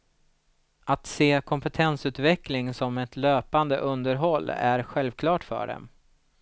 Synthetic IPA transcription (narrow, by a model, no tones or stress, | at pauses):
at̪seːkʰɔmpɛt̪ʰɛnsʉ̟ːt̪vɛklɪŋsɔmɛt̪løːpand̪ə̰ʔɵnd̪əɾɦɔlːæ̰ɾɧɛlvkʰlɑːʈfœ̰ːɖɛ̰m